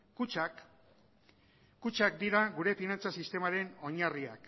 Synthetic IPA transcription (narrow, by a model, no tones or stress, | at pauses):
kut͡ʃak̚d̪iɾaɣuɾe̞finant͡sasist̪e̞maɾe̞no̞ɲaria̰k